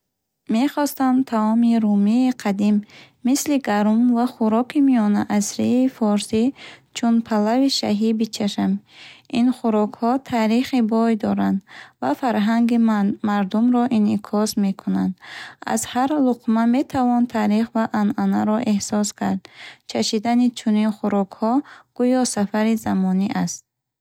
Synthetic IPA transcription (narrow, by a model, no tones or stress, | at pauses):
me̞χɔst̪amt̪ʰaɔmiɾumiːqʰad̪imː | isliɡaɾumvaχuɾɔkimiɔnaʔasɾiːfɔɾsit͡ʃʰunpʰalaviʃaɦibit͡ʃʰaʃəminχuɾɔkhɔt̪ʰaɾiχibɔjd̪ɔɾand̪va̰faɾɦaŋɡimaɾd̪umɾɔʔinikʰɔsme̞kʰunand̪a̰zhaɾluqmame̞t̪ʰavɔnt̪ʰaɾiχvaʔananaɾɔʔe̞hsɔskʰaɾd̪t͡ʃʰaʃid̪anit͡ʃʰuninχuɾɔkhɔɡ̥ujɔsafaɾizamɔniʔast̪̚